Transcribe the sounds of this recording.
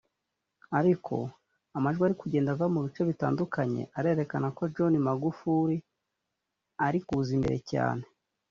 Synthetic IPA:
aɾikʰo̞̰ | amaʒɡweaɾikuɟe̞ːndavamuβit͡ʃe̞βita̰ːndukʰaɲe̞̰ʔaɾe̞ːɾe̞kanako̞d͡ʒo̞nimaɡufuɾi | aɾikuzimbe̞ɾe̞̰ca̰ːne̞̥

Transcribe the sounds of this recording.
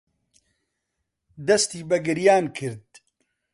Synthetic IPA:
d̪ɐst̪iːbɐɡɨɾjaːnkʰɨɾd̪̚

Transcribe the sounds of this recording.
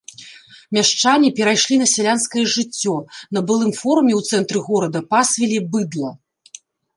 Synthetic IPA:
mʲaʂt͡ʂanʲːipʲɛɾajʂlʲinɐsʲalʲanskɐjɐʐɨt͡sʲːɔnɐbɨlˠɨmfɔɾumʲɛwt̪sɛnt̪ɾɨɣɔɾɐd̪ɐpasvʲɛlʲibɨd̪lˠɐ

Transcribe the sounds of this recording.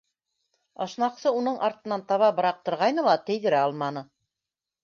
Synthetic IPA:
ɑ̰ʃnɑqsɤunɤɴʔɑɾt̪ɤ̆nɑnt̪ɑβɑbɤ̆ɾɑq̚t̪ɤ̆ɾʁɑjnɤlˠɑt̪ɘ̆jðɘ̆ɾæɑlˠmɑnɤ

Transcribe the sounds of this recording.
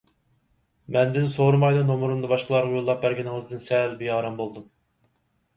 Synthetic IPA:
mɛnd̪ɪnsoɾmɑjd̪ɨnomuɾumd̪ɑbɑʃqəlˠɑɾʁɑjolˠːɑp̚bæɾɡʲɛnɪŋɨzd̪ɨnsɛlbijɑːɾɑmbolˠd̪um

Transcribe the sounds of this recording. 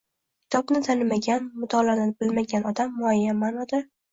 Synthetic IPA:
kʲʰɪ̥t̪ʰɒbnɪt̪ʰanɪmaɡʲanmʊt̪ʰɒlanɪbɪlmaɡʲanɒd̪amːʊajːanmːanɒd̪a

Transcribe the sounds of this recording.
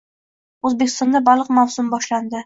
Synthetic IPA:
ɵzbekʲɪst̪ɒnd̪abɒlˠəqmawsʊmbɒʃland̪ɪ

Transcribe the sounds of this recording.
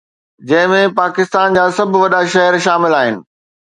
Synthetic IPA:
d͡ʑɐ̃ɦɪ̃mẽpaːkɪst̪aːnd͡ʑaːsɐbʱʋɐɗaʃɐɦəɾʃaːmɪlaːɦɪnɪ̆

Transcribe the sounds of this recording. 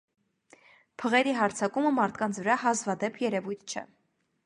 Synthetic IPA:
pʰəʁɛɾiɦɑɾt͡sʰɑkuməmɑɾt̪ʰkɑnt͡sʰvəɾɑɦɑzvɑd̪ɛpʰjɛɾɛvujt̪ʰt͡ʃʰɛ̰

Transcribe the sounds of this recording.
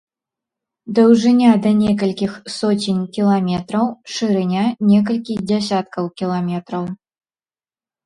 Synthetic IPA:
d̪ɐwʐɨnʲad̪ɐnʲɛk̬ɐlʲkʲixsɔt͡sʲinʲkʲilˠamʲɛt̪ɾɐwʂɨɾɨnʲanʲɛk̬ɐlʲkʲid͡zʲasʲat̪̚kɐwkʲilˠamʲɛt̪ɾɐw

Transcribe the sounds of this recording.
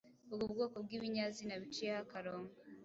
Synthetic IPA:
owuβɡoːkoβ̚ɡiβiɲazinaβit͡ʃiehakaɾoːŋa

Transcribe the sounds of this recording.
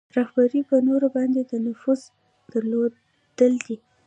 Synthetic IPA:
ɾahbaɾipənoɾobɑnd̪ed̪ənʊfuz | d̪̥əɾlo | d̪̥əld̪i

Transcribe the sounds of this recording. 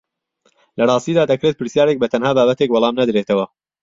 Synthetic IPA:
lɐrˤɑːst̪iːd̪aːd̪ɐkɾet̪̚pɨɾsjaːɾe̞k̚bɐt̪ʰɐnhaːbaːbɐt̪e̞k̚bɑlˠɑːmnɐd̪ɾeːt̪ʰɐwɐ

